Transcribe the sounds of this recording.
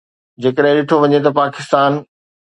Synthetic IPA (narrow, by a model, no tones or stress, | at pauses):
d͡ʑeːkəɗɦɪ̃ɗɪʈʰoʋɐɲet̪ɐpaːkɪst̪aːn